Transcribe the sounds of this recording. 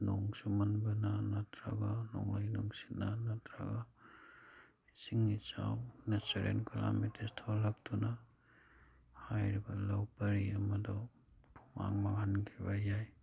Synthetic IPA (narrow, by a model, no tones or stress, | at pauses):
nɔŋsumanbananatʰɾa̰ɡanɔ̰ŋlajnɔŋsi̥tnanatʰɾa̰ɡa | siŋit͡ʃawnasaɾḛnkala̰mitestʰɔlak̚tʰuna | hajɾibalawpaɾiamadɔ | pʰuma̰ŋmaɡankʰibajaj